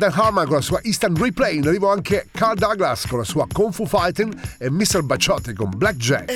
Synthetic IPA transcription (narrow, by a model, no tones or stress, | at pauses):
d̪anɦaɾmankõnlasuːaʔist̪anɾiplɛinɾivoaŋkekaɾd̪aɡlaskonlasuːakoɱfufajt̪inemːist̪ɛlbat͡ʃɔt̪ːikomblak̚d͡ʒɛ̰t